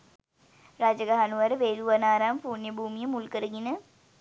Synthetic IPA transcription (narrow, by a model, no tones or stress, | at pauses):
ɾad͡ʒəɡaɦanuʋaɾəʋeːluʋanaːɾaːmfuːnjəbʱuːmijəmulkəɾəɡinə